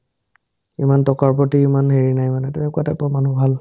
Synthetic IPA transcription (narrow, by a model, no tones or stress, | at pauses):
imantɔkaɹpɹotiːmanɦeɹinajmanɛtumɛkuatɛpʊamanubʱal